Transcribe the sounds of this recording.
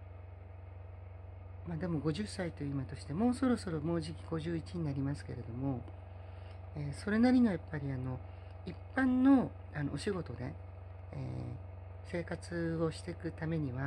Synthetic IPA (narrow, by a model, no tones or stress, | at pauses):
mad̪e̞mo̞ɡo̞ʑɨsːait̪ojɯimat̪o̞ɕi̥t̪e̞mo̞ːso̞ɾo̞so̞ɾo̞mo̞ːʑikʲiɡ̥o̞ʑɨːit͡ɕiɲ̟inaɾʲimasɨ̥ke̞̰ɾe̞d̪o̞mo̞ | eːso̞ɾe̞naɾʲino̞japːaɾʲiano̞ | ipːãnːo̞ | ano̞̰oɕiɡo̞t̪o̞d̪e̞̰ | ḛː | se̞ːkat͡sɨo̞ɕi̥t̪e̞kɯ̟t̪ame̞ɲ̟iβa